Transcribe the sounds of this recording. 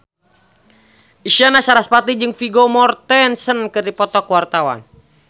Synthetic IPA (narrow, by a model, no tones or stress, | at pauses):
ʔiʃianasaɾaspat̪id͡ʒɨŋfiɡɔmɔrt̪ɛnsənkɨrdipɔt̪ɔkwart̪awa̰n